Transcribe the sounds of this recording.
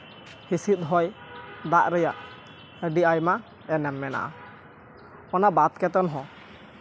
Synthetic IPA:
hisit̪̚ˀɦɔjd̪aʔɾɛjaʔ | həɖiajma | ɛnɛmːɛna̰ʔa | ɔnabat̪̚kɛt̪ɔnɦɔ̃

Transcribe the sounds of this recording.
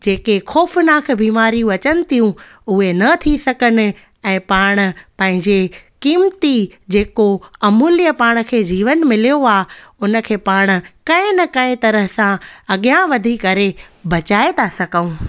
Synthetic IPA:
d͡ʑeːkexɔːfnaːkʰbiːmaːɾijũɐt͡ɕənɪ̆t̪ʰijũ | ʊɦenɐt̪ʰisɐɡʱənɪ̆ | ɛ̃ːpaːɽ̃̆pɐ̃ɦɪ̃ɲd͡ʑekiːmt̪id͡ʑeːkoɐmuːljəpaːɽ̃̆kʰeːd͡ʑiːʋənmɪlijoaːʊnə̆kʰeːpaːɽ̃ʊ̆kɐ̃ɪ̃nɐkɐ̃ɪ̃t̪ɐɾəɦsãɐɠijãʋɐd̪ʱikːɐɾebɐt͡ɕaːet̪ʰasɐɡaũ

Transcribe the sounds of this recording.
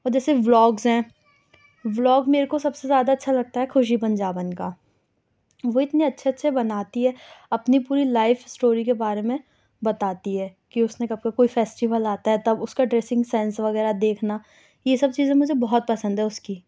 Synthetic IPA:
ɔːɾd͡ʒɛːseʋlɔːɡzɦɛ̃ː | ʋlɔːɡmeːɾekosɐbsezjaːd̪aɐtːʃʰalɐɡ̚t̪aɦɛxʊʃ̬ipɐ̃ɲd͡ʒaːbənkaː | ʋoɪt̪niɐtːʃʰeɐtːʃʰebɐnaːt̪iɦɛɐpnipuːɾilaːɪfsʈoːɾikebaːɾemẽ | bɐt̪aːt̪iɦɛːkiʊsnẽkɐb̚kakoːifɛːsʈɪʋəlaːt̪aɦɛt̪ɐbʊskaɖɾeːsɪ̃ŋɡsɛnsʋɐɣɛːɾad̪eːkʰna | jesɐb̚t͡ʃiːzẽmʊd͡ʒʱebɔɦɔt̪̚pɐsə̃nd̪ɦɛʊskiː

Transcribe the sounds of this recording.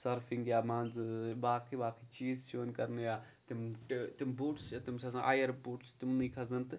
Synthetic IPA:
sɐɾfiŋɡjaːmãːnzɨbaːkibaːkiːt͡ʃiːzʃoːnkɐɾnɨjaː | t̪imʈt̪imbuːʈst̪imsʰɐzãʔa̰ːjɐɾpuːʈst̪imnikʰɐzɐnt̪

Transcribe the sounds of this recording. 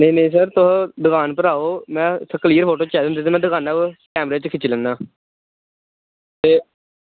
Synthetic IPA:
nəĩnẽĩs̬əɾt̪ʊɦd̪ʊkaːnpəɾaːoːmɛ̃ːsəkliːəɾpʰoːʈoːt͡ʃɛːd̪ʊnd̪eːeːmɛ̃ːd̪ʊkaːnaʋkɛːmɾeːt͡ʃkʰɪt͡ʃːilɛ̃nːaː | t̪eː

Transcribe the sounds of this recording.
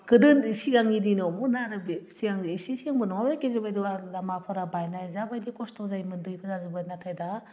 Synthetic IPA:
kɯdɯnisiɡaŋidinɔmunaɾɯbisiɡaŋiːsisiaŋbɯnɔŋawekezɯbajdualamapʰɯɾabajnajzabajdikɔstʰɔzajmɯndɯjpʰɯzazɯbɯjnatʰajda

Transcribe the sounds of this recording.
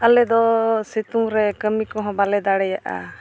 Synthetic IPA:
alɛd̪ɔsit̪uŋɾɛkəmikɔ̃ɦɔ̃balɛd̪aɽɛjaʔa̰

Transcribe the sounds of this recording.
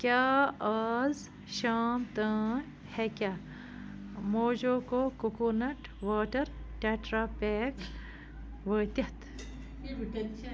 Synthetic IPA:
kʲjaːɐːz | ʃaːmt̪ɐ̃ː | hɛkʲaː | moːd͡ʒoːkoːkukuːnɐʈ | ʋaːʈɐɾʈaːʈɾaːpeːk | ʋəːt̪jɐt̪

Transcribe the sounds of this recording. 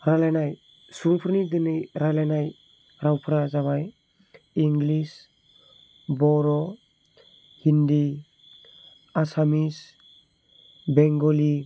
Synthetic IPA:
ɾajlajnaj | suŋpʰɾnidɯnɯjɾajlajnaj | ɾawpʰɾazaβaj | iŋɡlis | bɔɾɔ | hindi | asamis | bɛŋɡɔli

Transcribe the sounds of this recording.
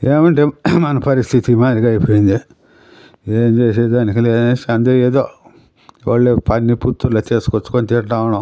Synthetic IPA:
eːmɐɳʈeːmɐnɐpɐɾist̪ʰit̪imaːɾikɐjpʰoːjind̪i | eːɲt͡ʃeːs̬eːd̪aːnikileːd̪ɐnesɐnd̪eːeːd̪o̰ː | ʋa̰ːɭːepʰɐnːiput̪ːuɾlɐt͡ʃeːsu̥kot͡ʃːu̥konit̪iɾɐʈaːwɐnaː

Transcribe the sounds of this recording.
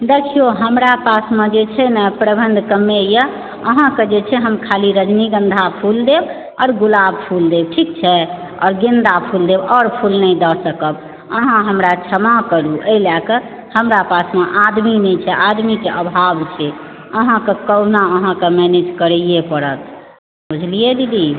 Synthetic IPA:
d̪ekʰijoɦəmɾapasmẽd͡ʒet͡ʃʰɛnəpɾəbʱənd̪ʱkəmːejə | əɦãked͡ʒet͡ʃʰɛɦəmkʰaliɾəd͡ʒniɡə̃nd̪ʱapʰuld̪eb | ɔːɾɡulab̚pʰuld̪eb̚ʈʰik̚t͡ʃʰɛ | ɔːɾɡind̪apʰuld̪ebɔɾpʰulnəjd̪ɔsəkəb | əɦãɦəmɾat͡ʃʰəmakəɾuʔəilake | həmɾapasmeʔad̪minɛt͡ʃʰɛʔad̪mikeʔəbʱabt͡ʃʰɛ | əɦãkekəwnaəɦãkemɛned͡ʒkəɾəjepəɾət̪ | bud͡ʒʱlijed̪id̪i

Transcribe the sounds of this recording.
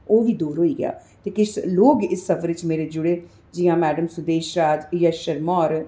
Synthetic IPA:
oːʋiːd̪uːɾɦoːiːɡɪja̰ːt̪eːkɪt͡ʃloːɡɪsːəpʰəɾʋɪt͡ʃmeːɾeːd͡ʒʊɽeː | d͡ʒɪjãːmɛːɖəmsʊd̪eːʃɾaːd͡ʒjaːʃəɾmɔːɾ

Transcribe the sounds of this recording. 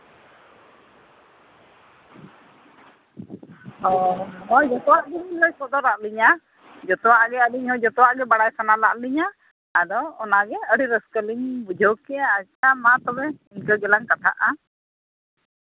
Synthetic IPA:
hɔɦɔjd͡ʒɔt̪ɔwaʔɡiɲləjpɔd̪ɔɾaʔliɲa | d͡ʒɔt̪ɔwaʔɡɛəɗiɲhɔd͡ʒɔt̪ɔwaʔɡɛbaɽajsanalaʔliɲaː | d̪ɔːnaɡɛəɽiɾəskəliɲbud͡ʒʱɔwkɛjaːt͡ʃamat̪ɔbɛinkəɡɛlaŋkat̪ʰa̰ʔa

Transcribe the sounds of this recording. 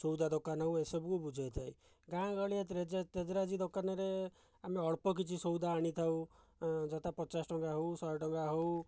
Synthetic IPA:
sowd̪ad̪ɔkanɦɔwesebɔkubud͡ʒʱajt̪ʰaj | ɡãɡɔɭiat̪ed͡ʒt̪ed̪ɾad͡ʒid̪ɔkanɔɾe | ameɔɽpɔk̬it͡ʃʰisɔwd̪ʱaːɽ̃it̪ʰau | d͡ʒɔt̪apɔt͡ʃasʈɔŋɡaɦowsɔɾɔʈɔŋɡaɦow

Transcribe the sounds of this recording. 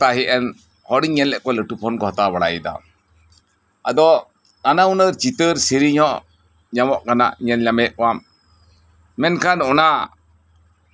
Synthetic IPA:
t̪aɦiʔɛn | hɔɽiɲːɛnlːɛʔkɔləʈupʰɔnkɔɦɔt̪abaɽa̰jid̪a̰ | ad̪ɔ | nanaunəɾt͡ʃit̪əɾsiɾiɲɔʔ | ɲamɔʔkana̰ʔɲɛnlamɛkɔam | mɛnkʰanɔna

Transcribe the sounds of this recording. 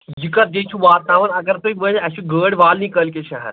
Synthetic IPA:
d͡ʒikəɾd̪eːt͡ʃʰuʋaːt̪aːʋɐnɐɡəɾt̪oiʋəɐʃiɡəːɽʋaːlnikəlkeʃɐɦɛ̰ɾ

